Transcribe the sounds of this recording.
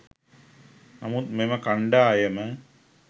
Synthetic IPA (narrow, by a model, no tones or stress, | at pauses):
namut̪memɐkaɳɖaːjɐmə